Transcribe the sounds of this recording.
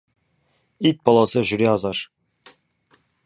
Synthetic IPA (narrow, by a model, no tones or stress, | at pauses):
it̪̚bɑlˠɑsɤʑɵ̆ɾeɑzɑʃ